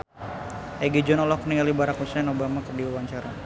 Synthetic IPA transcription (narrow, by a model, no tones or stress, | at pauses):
ɛɡid͡ʒɔnɔlɔkniŋalibaɾakhusɛnobamakərdiwawaɲt͡ʃaɾa